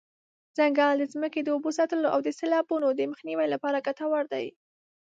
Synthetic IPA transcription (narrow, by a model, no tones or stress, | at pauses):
z̥aŋɡɑld̪əzməked̪əubosɑt̪əloʔawd̪əselɑbunod̪əməxniwajlapɑɾaɡat̪awaɾd̪a̰j